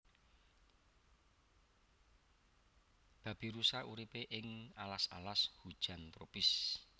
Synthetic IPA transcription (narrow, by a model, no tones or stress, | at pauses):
b̥ä̤b̥i̤ɾusaʔuɾipeʔɪŋalasa̰lashud̥ʒ̥a̤nt̪ɾopɪs